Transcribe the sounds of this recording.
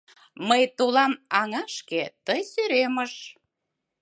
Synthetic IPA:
məjt̪ulɑnɑŋɑʃket̪əjsyɾeməʃ

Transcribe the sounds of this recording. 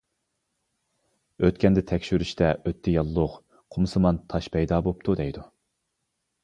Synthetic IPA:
øt̪kʲɛnd̪ɪt̪ʰɛkʲʃyɾyʃt̪ʰɛʔøt̪ʰːɪjɑlˠːʊq | qʰʊmsɨmɑnt̪ʰɑʃpʰɛjd̪ɑbop̚t̪ʰud̪ɛjd̪u

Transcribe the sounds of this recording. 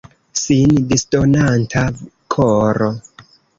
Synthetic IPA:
sindistonantʰa | kʰoɾo

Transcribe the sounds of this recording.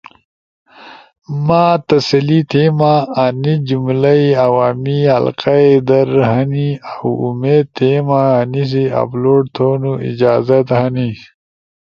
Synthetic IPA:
maːt̪ɐsɐlit̪ʰemaanid͡ʒumlaiawaːmihɐ̰lqaed̪ɐɾɦaniawumeːd̪̚t̪ʰemaanis̬ia̰bloːɽt̪ʰonuḭd͡ʑaːzɐt̪hani

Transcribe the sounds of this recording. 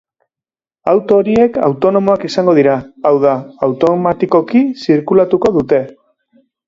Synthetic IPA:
awt̪o̞ɾie̞ka̰wt̪o̞no̞mo̞akisaŋɡo̞ð̞iɾaːwð̞aːwt̪o̞mat̪iko̞kisiɾkulat̪uko̞ðut̪e̞

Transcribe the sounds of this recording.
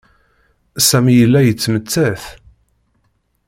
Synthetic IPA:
sæmijəlːæjət͡sːmət͡sːæθ

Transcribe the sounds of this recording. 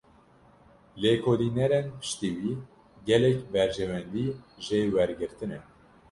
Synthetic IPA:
lekʰoːlinɛɾenpɨ̥ʃt̪iwiː | ɡɛlɛkbɛɾʒɛwɛnd̪iːʒewɛɾɡɨɾt̪ɨnɛ

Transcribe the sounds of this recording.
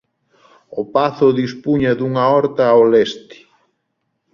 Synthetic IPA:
opaθʊðispuɲaðuŋaɔɾt̪aolɛst̪ɪ̥

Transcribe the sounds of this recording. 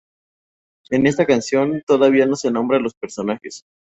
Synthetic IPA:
e̞ne̞st̪akansjo̞nt̪o̞ðaβiano̞senõ̞mbɾalo̞spe̞ɾso̞naxes

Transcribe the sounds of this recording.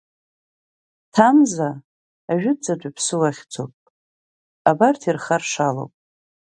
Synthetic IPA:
tʰamzaː | ʒᶣʏd͡zad͡ʒʷapʰsɨwaχʲt͡sʰo̰pʼ | abartʰirχarʂalo̰wpʼ

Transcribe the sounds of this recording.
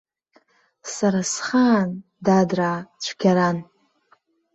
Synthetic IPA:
saɾasχaːn | dadraːt͡ɕʷʰɡʲaɾan

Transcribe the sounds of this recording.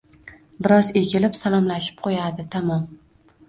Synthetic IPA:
bɪɾɒze̞kʲʰɪlɪpsalˠɒmlaʃɪ̥p̚qʰojad̪ɪt̪ʰamɒm

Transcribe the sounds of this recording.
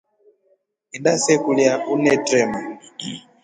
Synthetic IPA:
idasɛkuljaunɛtɾɛma

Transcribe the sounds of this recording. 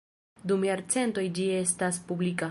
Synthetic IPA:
dumjaɾt͡se̞nto̞jd͡ʒie̞staspublika

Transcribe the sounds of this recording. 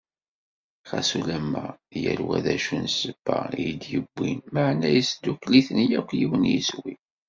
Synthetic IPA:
χæsulæmːæjəlwæðæʃunsəbːæjəd̪jəbːinməʕnæjisd̪ːukliθənjækʷːjiwənjiswi

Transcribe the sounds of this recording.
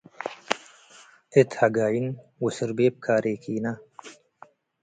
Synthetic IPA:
et̪hɐɡaːjinwusəɾbeːp̚kʰaːɾʔeːkʰiːna

